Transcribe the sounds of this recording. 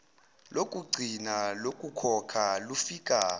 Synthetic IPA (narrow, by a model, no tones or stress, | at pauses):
lokʼuɡ͡ǀʱinalokʼukʰɔkʰalufikʼaː